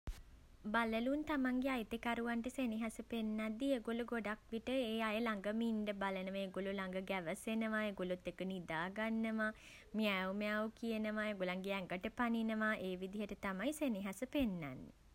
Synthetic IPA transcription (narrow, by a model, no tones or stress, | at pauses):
baləlunt̪amaŋɡeajt̪ekaɾuʋaɳʈəseniɦasəpenːad̪ːieɡoluɡoɖakʋiʈəeːajəlaŋɡəminɖəbalənəʋəeɡolulaŋɡəɡæʋəsenəʋaeɡolut̪ːekənid̪aːɡanːəʋa | miæwmeawkijənəʋaeɡolaŋɡeɛŋɡəʈəpaninəʋaʔeːʋid̪iɦəʈət̪amajseniɦasəpenːa̰nːḛ